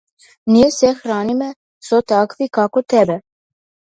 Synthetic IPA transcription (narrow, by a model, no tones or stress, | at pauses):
nijesɛxɾaːnimɛ | sot̪akʋikakot̪ɛbɛ